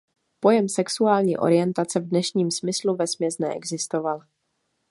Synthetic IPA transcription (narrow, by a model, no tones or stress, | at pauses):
po̞jɛmsɛksuaːlɲḭːʔo̞̰ɾɪjɛnt̪at͡sɛvdnɛʃɲiːmsmɪsluvɛsmɲɛznɛ̰ʔɛ̰ɡzɪst̪o̞val